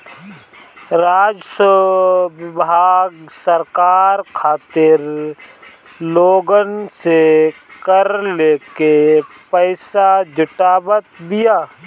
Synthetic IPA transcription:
ɾaːd͡ʒsə | bʱaːɡsəɾkaːɾkʰaːt̪ɪɾ | loːɡənsekəɾleːke | pəɪsad͡ʒʊʈaːbət̪bɪjaː

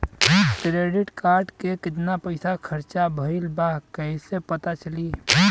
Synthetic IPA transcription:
kɾeɖɪʈkaːɾɖkekɪt̪napəɪsakʰəɾt͡ʃabʱəɪlbakəisepət̪at͡ʃəli

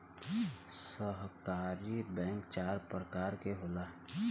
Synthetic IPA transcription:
səɦkaːɾibɛ̃ːŋkt͡ʃaːɾpɾəkaːɾkeɦolaː

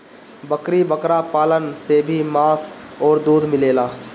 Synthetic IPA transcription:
bəkɾibəkɾapaːlənsebʱimaːs | ɔːɾd̪uːd̪mɪleːlaː

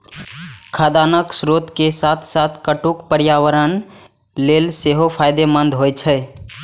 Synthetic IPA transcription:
kʰad̪anəksɾot̪kesat̪ʰsat̪ʰkəʈukpəɾjawəɾən | lelseɦopʰajd̪emənd̪ʱɦojt͡ʃʰə

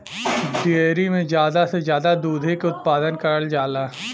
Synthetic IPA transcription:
ɖieːɾimẽzjaːd̪asezjaːd̪ad̪uːd̪ʱekʊt̪̚paːd̪ənkɐɾəld͡ʒaːlaː

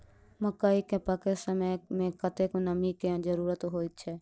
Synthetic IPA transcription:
məkaːikepəkesəməmẽkət̪ekonəmiked͡ʒəɾuːɾət̪ɦoːit̪̚t͡ʃʰɛː

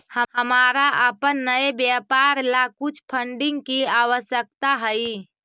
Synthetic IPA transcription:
həhəmaɾaʔəpənːəebjapaɾlakut͡ʃʰpʰəɳɖiŋɡkiawəsjək̚t̪aɦəi

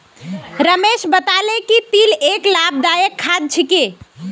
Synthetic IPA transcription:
ɾəmeʃbət̪alekipileklab̚d̪ajəkʰːad̪̚t͡ʃʰike

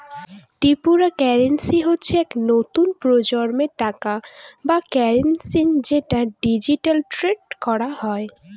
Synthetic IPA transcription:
ʈipuɾakɛɾensiɦotːɕʰeɛknot̪unpɾod͡ʑɔɾmeʈakabakɛɾensind͡ʑeʈaɖid͡ʑiʈalʈɾeɖkɔɾahɔe

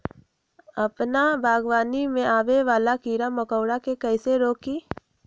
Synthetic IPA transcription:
əpnabʱaːɡwaːnimẽaːʋeʋaːlakiːɾaməkəʊɽakekɛːseɾoːkiː

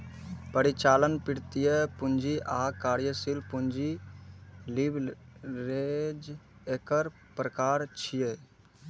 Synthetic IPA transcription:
pəɾit͡ʃaːlənpɪɽt̪ijəpʊnd͡ʒiʔaːkaːɾjəsɪlpʊnd͡ʒi | libɾeːd͡ʒeːkəɾ | pɾəkaːɾt͡ʃʰije

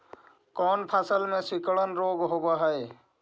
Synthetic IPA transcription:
kɔːnpʰaːsəlmẽsikɭənɾoːɡɦobaɦəj

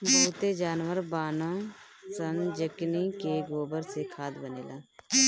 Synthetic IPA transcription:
boːt̪eːd͡ʒaːnʋəɾbaːnõː | sənd͡ʒəkniːkeɡoːbəɾsekʰaːd̪bənḛːlaː

